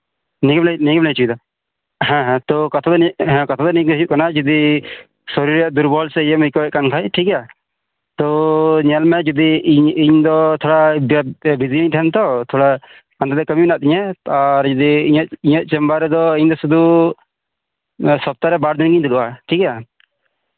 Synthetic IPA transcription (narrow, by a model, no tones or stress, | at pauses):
niɡmlniɡmlajt͡ʃud̪a | ɦɛ̃ɦt̪ɔkat̪ʰad̪ɦɛ̃kat̪ʰad̪ɔniɡd̪juʔkanad͡ʒɔd̪i | sɔɾiɾjaʔd̪uɾbɔlsɛjɛmikɔjɛʔ̚kankʰajʈʰika | t̪ɔɲɛlmɛd͡ʒud̪iɲiɲd̪ɔt̪ʰɔɽabbiziiɲʈ̪ʰɛnt̪ɔt̪ʰɔɽa | and̪ad̪ɛkəmibnaʔt̪iɲɛaɾd͡ʒɔd̪iiɲət̪iɲət̪̚ˀt͡ʃɛmbaɾɛd̪ɔiɲd̪ɔsud̪ʱu | sɔp̚t̪aɾɛbaɾd̪inɡiɲd̪uluʔaʈʰika